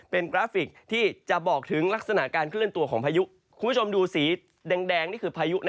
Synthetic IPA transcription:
pe˧nkɾaː˦˥fi˨˩k̚t̪ʰiː˥˩t͡ɕa˨˩ʔbɔː˨˩k̚t̪ʰɯ˩˦ŋla˦˥k̚sa˧na˨˩ʔkaː˧nkʰɾɯ˥˩ənt̪u˧əkʰɔː˩˦ŋpʰaː˧ju˦˥ʔ | kʰu˧nmʰ˥u˥t͡ɕʰo˧mduː˧siː˩˦ | dɛː˧ŋdɛː˧ŋniː˥˩kʰɯː˧pʰaː˧ju˦˥ʔna˧

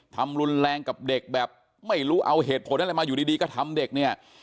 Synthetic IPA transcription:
t̪ʰa˧mɾu˧nɾɛː˧ŋka˨˩p̚de˨˩k̚bɛː˨˩p̚ | ma˥˩jɾuː˦˥ʔa˧wɦeː˨˩t̪̚pʰo˨˩˦nʔa˧maː˧juː˨˩diː˧iː˧kɔː˥˩t̪ʰa˧mde˨˩k̚ni˥˩ɐ

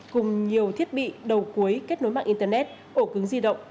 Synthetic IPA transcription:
kʊ˨˩ŋ͡mɲi˨˩əwt̪ʰi˦˥ət̚ɓḭ˧˨ɗə˨˩wku˨˦əjke˦˥t̚no˨˦jma̰ː˧˨ʔi˧nt̪əː˧nɛ˦˥t̚ | ʔo˧˩kɨ˨˦ŋzi˧ɗə̰˧˨wŋ͡m

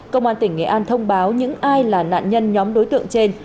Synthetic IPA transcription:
kə˧wŋ͡mʔaː˧nt̪ï˧˩ŋ̟ŋɛ̰˧˩ʔaː˧nt̪ʰə˧wŋ͡mɓaː˨˦wɲɨ̰˧˥ŋʔaː˧jlaː˨˩na̰ː˧˨nɲə˧nɲɔ˨˦mɗo˨˦jt̪ɨ̰˧˨əŋt͡ɕe˧n

